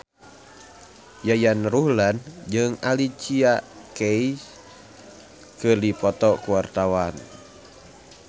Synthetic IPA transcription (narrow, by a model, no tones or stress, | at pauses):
jajanruhland͡ʒɨŋalit͡ʃiakɛis | kɨrdipɔt̪ɔkuwart̪awan